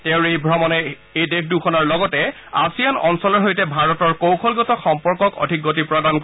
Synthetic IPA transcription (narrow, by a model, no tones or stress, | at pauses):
tɛʊ̃ɹejbʱɹɔmɔnɛ | ejdekʰdukʰɔnaɹlɔɡɔtɛ | asijanɔnsɔlɔɹɦojtɛbʱaɹɔtɔɹkowkʰɔlɡɔtɔxɔmpɔɹkɔkɔ̰dʱikːotipɹɔdank